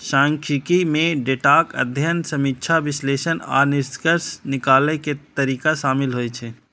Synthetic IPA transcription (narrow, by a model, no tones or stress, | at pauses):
ʃãːŋkʰikimẽɖeʈaːkə̰d̪ʱjənsəmitːt͡ʃʰaʋɪsleːʃəna̰ːnɪɾskəɾsnɪkaːleket̪əɾiːkaʃaːmɪlɦojt͡ʃʰɛː